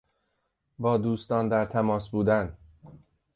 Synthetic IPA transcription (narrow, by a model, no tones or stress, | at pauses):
bɒːd̪uːst̪ɒːnd̪æɾt̪ʰæmɒːsbuːd̪æn